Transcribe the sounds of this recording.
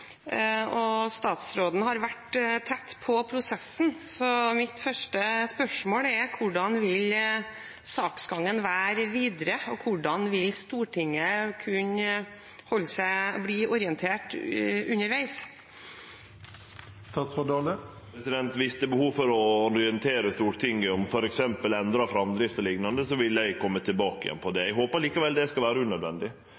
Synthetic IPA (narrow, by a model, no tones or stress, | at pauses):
ɔst̪ɑːt̪sɾoːd̪n̩hɑɾʋæʈt̪ʰɛt̪ːpʰɔpʰɾʊsɛsnsɔmɪt̪fœʂʈəspœʂmoːɽɛkʰʊɖɑnʋɪl | sɑːksɡɑŋːənʋæːɾʋiːd̪ɾəɔkʰʊɖɑnʋɪlst̪uːʈʰɪŋːəkʰʉɲ | hɔlːsæɪbliːʔɔɾɪənt̪ʰeːʈʉnːəɾʋæɪs | st̪ɑːt̪sɑd̪ɑːlə | ɾɛsɪd̪ɛnt̪ʋɪst̪əbəhuːʋfɔɾɔɔɾɪɛnt̪ʰeːɾəst̪uːʈʰɪŋːəɔmfɔɾɛksɛmpəlɛnd̪ɾɑfɾɑmd̪ɾɪft̪ɔlɪɡnɑnd̪əsɔʋɪlːæɪkʰɔmːət̪ʰɪlbɑːkɪ̰jɛ̰npʰɔd̪ɛɛɡɦoːpəɾɭiːkɑʋɛld̪ɛskɑlʋæːɾəʉnœd̪ʋɛnd̪ɪ